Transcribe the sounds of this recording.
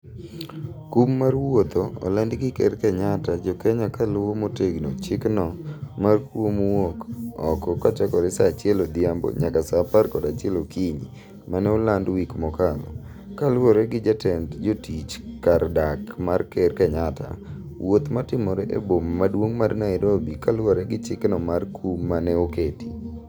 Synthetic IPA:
kumːarwot̪oɔ̰landɡɪkɛ̰ɾkaɲatad͡ʒɔkɛɲakalʊwomoteɡnot͡ʃɪknɔmarkwomwokɔkɔkat͡ʃakɔɾɛsat͡ʃɪɛlod̪ɪambo̰ɲakasaparkɔdat͡ʃɪɛlokiɲḭ | manɛolandwikmɔkalɔ̰ | kaloɾɛɡɪd͡ʒatʰɛndd͡ʒotit͡ʃkardakmarkɛrkaɲatʰa̰ | wot̪matɪmɔɾɛʔḛbomːadwoŋmarnaɪɾobikalwɔɾɛɡɪt͡ʃɪknɔmarkʰummːanɛoketi

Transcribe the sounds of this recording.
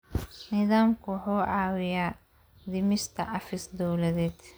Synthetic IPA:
nɪðaːmkʰʊħuːʕɑːwɪjaː | d̪ɪmɪst̪ʰɐʔɐfɪsd̪ɔwlɐðɛːd̪

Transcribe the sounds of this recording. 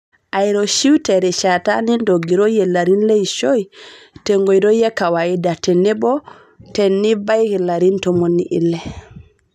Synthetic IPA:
ʔajɾɔʃiwtɛɾɛʃata̰nindoɡiɾɔjɛlaɾinlejʃoj | tɛŋɡojɾɔjɛkawajidatɛnːɛbɔ | tɛnːibajkilaɾintɔmonːiʔḭlːɛ

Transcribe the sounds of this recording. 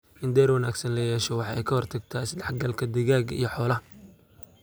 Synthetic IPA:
ɪnd̪ɛːrwɐnaːɡsɐnlɐjɛːʃɔwɑħɑɛjkʰɐhɔrt̪ʰɐɡ̚t̪ʰaːsd̪ɛħɡɐlkʰɐd̪ɛɣaːɡḭjɞħɔːlɐ

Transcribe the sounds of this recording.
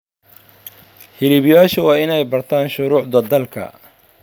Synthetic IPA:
hɪlɪβjaːʃɐwɑːɪnɛjbɐrt̪ʰaːnʃʊɾʊːʕd̪ɐd̪ɐlkʰɐ̰

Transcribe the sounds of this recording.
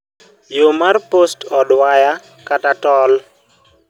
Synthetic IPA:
jomarpostɔdwaja | katatɔl

